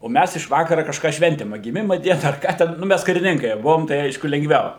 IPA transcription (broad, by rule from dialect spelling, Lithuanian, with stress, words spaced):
oː ˈmʲæs ɪʃ ˈʋɑːkɐrɐ kɐʃˈkɑː ˈʃʲʋʲɛnʲtʲɪm ɐ ɡʲɪˈmʲɪmɐ ˈdʲiɛnɐ ɐr ˈkɑː tʲɛn nʊ ˈmʲæs kɐrʲɪˈnʲɪŋkɐɪ ˈbʊʋoːm tɐɪ ˈɐɪʃkʊ lʲɛŋɡˈʋʲɛʊ